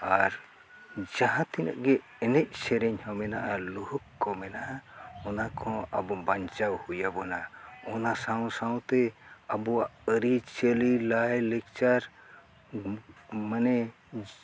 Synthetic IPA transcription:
aɾ | d͡ʒaɦãt̪inə̰ʔɡɛ | ɛnɛc̚ˀsɛɾɛɲhɔmɛnaʔaluhukːɔmɛnaʔaɔnakʰɔ̃a̰bɔbaɲt͡ʃawhujabɔnaɔnasaw̃sãw̃t̪ɛabɔwaʔəɾit͡ʃelilajlɛk̚t͡ʃaɾ | manɛ

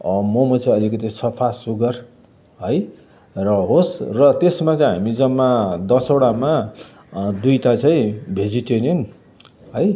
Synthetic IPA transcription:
ʌmomʌt͡saĩʌlikʌt̪isʌpʰasuɡʌr | ɦʌj | rʌɦosrʌt̪esmat͡saĩɦamid͡zʌmːad̪ʌsoɽama | d̪ujt̪at͡saĩbʱed͡ziʈeɾjon | ɦʌj

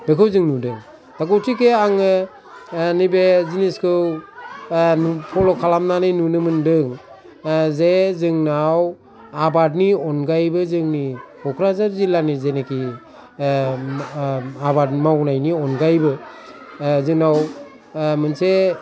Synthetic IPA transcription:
bekʰɯwzɯŋnudɯŋ | d̥akɔwtʰikeaŋɯ | nibeziniskʰɯw | nupʰɔlɔkʰalamnanɯjnunɯmɯndɯŋ | zezɯŋnaw | abad̚niɔnɡajbɯzɯŋnikɔkʰɾazaɾzilanizeneki | abadmawnajniɔnɡajbɯ | zɯŋnaw | mɯnse

